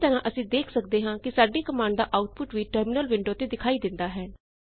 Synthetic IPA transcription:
t̪əɾãːʔəsĩːd̪eːkʰsəkd̪eːɦãːkɪsaːɖiːkəmaːɳɖd̪aːʔaːʊʈ̚pʊʈʋiːʈəɾmɪnəlʋɪɳɖoːt̪eːd̪ɪkʰaːiːd̪ɪnd̪aːɦɛː

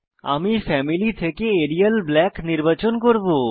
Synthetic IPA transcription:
a̰mifɛmilit̪ʰekeeɾialblɛkniɾbat͡ɕonkoɾbo

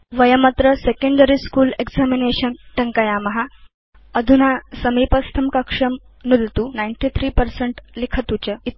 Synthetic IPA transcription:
ʋəjəmət̪ɾəsekeɳɖəɾiskuːlekd͡zamineɕənʈəŋkajamɐɦa | əd̪ʱunasəmipəst̪ʰəmkɐkʂəm | nud̪ʱt̪unajɳʈit̪ʰɾiːpəɾseɳʈlikʰət̪ut͡ɕəit̪

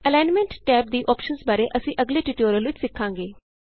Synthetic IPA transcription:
əlaːnmɛ̃ɳʈʈɛːp̚d̪iːʔɔːpʃənsbaːɾeːʔəsĩːʔəɡleːʈɪʈoːɾjəlʋɪt͡ʃsɪkʰːãːŋɡeː

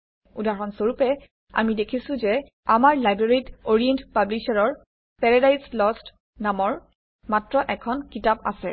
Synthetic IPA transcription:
udaɹɔnsoɹupɛ | a̰midekʰisʊ̃zɛ | amaɹlajbɹeɹijtoɹiɛntpablisaɹɔɹ | pɛɹadajslɔst | namɔɹ | matɹɔʔɛkʰɔnkitapa̰sɛ

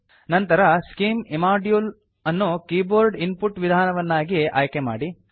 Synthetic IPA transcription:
nɐnt̪ɐɾɐskiːmimaːɖjul | ɐnːukiːboːɾɖinpuʈʋid̪ʱaːnɐʋɐnːaːɡiʔaːjkema̰ːɽi

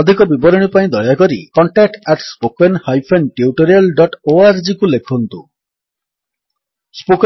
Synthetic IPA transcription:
ɔd̪ʱikɔbibɔɾɔɽ̃ipaĩd̪ɔjakɔɾikɔɳʈak̚ʈɛʈspokenhajpʰenʈiuʈoɾialɖɔʈoaɾd͡ʒikulekʰɔnt̪u | spok

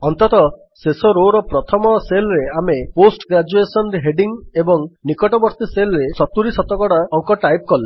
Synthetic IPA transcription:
ɔnt̪ɔt̪ɔ | sesɔɾoɾɔpɾɔt̪ʰɔmɔselɾeameposʈɡɾad͡ʒuesɔnɾeɦeɖiŋebɔŋnikɔʈɔbɔɾt̪iselɾesɔt̪uɾisɔt̪ɔkɔɽaɔŋkɔʈajp̚kɔle

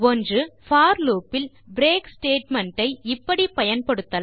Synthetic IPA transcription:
ɔndrɯfaːɾluːpːɪl | bɾeːksʈeːʈmɐɳʈɐɪɪpːɐɽipɐjɐnpɐɽɯt̪ːɐ

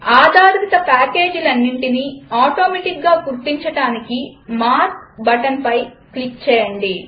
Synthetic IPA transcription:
aːd̪aːɾɾit̪ɐpaːke̞ːd͡ʒilɐnːiɳʈiniaːʈoːmeːʈik̚ɡaːɡuɾt̪iɲt͡ʃɐɽaːnikimaːɾk̚bɐʈɐmpɐj | klik̚t͡ʃɛːjɐɳɖi

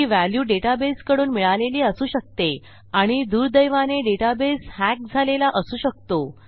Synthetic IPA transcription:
iʋæljuːɖeʈabeskəɽuːnmiɭaleliːəsuːɕək̚t̪e | aɽ̃id̪uːɾd̪əjʋaneɖeʈabeshæk̚d͡zʱalelaʔəsuːɕək̚t̪o

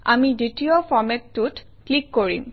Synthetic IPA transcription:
a̰miditiɔpʰɔɹmɛtːut | klikːoɹḭm

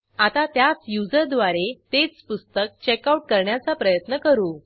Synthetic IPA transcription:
at̪at̪jat͡sjud͡zəɾd̪ʋaɾet̪et͡spust̪ək̚t͡ɕekauʈ̚kəɾɳjat͡sapɾəjət̪nəkəɾuː

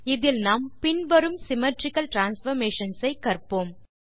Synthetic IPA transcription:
ɪðɪlnaːmpɪnʋɐɾɯmsɪmɐʈɾɪkɐlʈɾaːnsfɐɾmeːʂɐnsɐɪkːɐrpoːm

